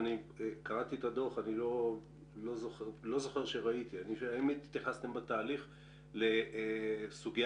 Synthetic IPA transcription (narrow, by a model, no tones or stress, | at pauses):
nikaʁat̪iet̪ad̪o̞χanilo̞ | lo̞zoχelo̞zo̞χe̞ʁʃe̞ʁait̪ianiʃaimit̪t̪jaχast̪e̞mbat̪aːliχ | le̞ | suɡj